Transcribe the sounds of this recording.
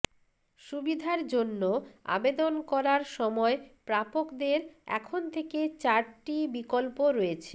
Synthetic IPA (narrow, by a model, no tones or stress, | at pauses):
ʃubid̪ʱaɾd͡ʑonːoa̰bed̪onkɔɾaɾʃɔmɔepɾapokd̪eɾɛ̰kʰont̪ʰeket͡ɕaɾʈibikolpoɾoet͡ɕʰe̥